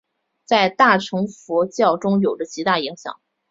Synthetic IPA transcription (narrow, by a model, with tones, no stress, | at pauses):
t͡sa˥˧ɪt̪a˥˩ʈ͡ʂʰɤ˧˥ŋfɔ˧˥t͡ɕjɑ˥˩ʊʈ͡ʂʊ˥ŋjo˨˩ʊdə˦t͡ɕi˧˥t̪a˥˩i˧˥ŋɕjɑ̰˨˩˦ŋ